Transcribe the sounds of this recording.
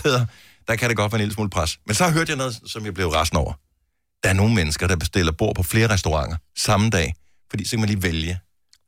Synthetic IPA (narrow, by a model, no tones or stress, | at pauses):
eð̰ˠɐ | d̥ɑkʰæɾeɡ̥ɒ̽d̥ʋɛːnelsmṵːlpʰʁɑsmensɒ̽ɦøɐ̰d̥jɑnɔ̽ːð̩ˠsɒ̽mjɑb̥le̝ʊʁɑsn̩ɒʊ̰ɐ | d̥ɑæɐno̝ːŋ̩menəsɡ̥ɐɾ̥ɑ̈b̥esd̥e̝l̰ɐb̥o̝ɐ̰pʰɒ̽fle̝ːɐʁɛsd̥oʁɑ̈ŋ̰ɐsɑ̈m̩d̥ɛ̰ː | fɒdḭːsɒ̽kæmænlḭːʋeljə